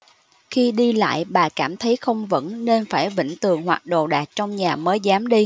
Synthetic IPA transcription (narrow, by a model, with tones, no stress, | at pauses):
xi˧ɗi˧la̰ː˧˨jɓaː˨˩kaː˧˩mt̪ʰə˨˦jxə˧wŋ͡mvə̰˧˥nːe˧nfaː˧˩jvḭ˧˨ŋ̟t̪ɨ˨˩əŋhwaː˨˩t̚ɗo̰˧˨ɗaː˨˩k̚t͡ɕɔ˧wŋ͡mɲaː˨˩məː˨˦jzaː˨˦mɗi˧